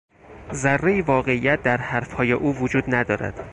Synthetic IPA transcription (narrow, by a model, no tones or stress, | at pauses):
zærːejivɒːɣe̞ijæt̪̚d̪æɾhæɾfhɒːjeʔuːvod͡ʒuːd̪næd̪ɒːɾæ̰d̪̥